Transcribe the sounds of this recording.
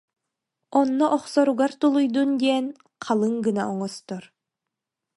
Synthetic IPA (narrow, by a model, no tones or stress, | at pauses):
ɔnːɔʔɔχsɔɾuɡaɾt̪ulˠujd̪und̪iɛn | qʰalˠɯŋɡɯnaʔɔŋɔst̪ɔɾ